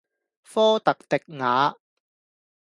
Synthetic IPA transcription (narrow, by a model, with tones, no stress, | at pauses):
fɔː˥t̪ɐ˨k̚t̪ɪ˨k̚ŋaː˨˥